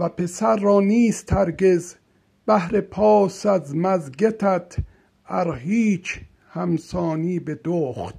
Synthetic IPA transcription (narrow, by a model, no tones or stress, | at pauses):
væpʰe̞sæɾːɒːniːst̪hæɾɡez | bæhɾe̞pʰɒːsæzmæzɡet̪ʰæt̪ʰ | æɾɦiːt͡ʃʰ | hæmsɒːniːbed̪oːχt̪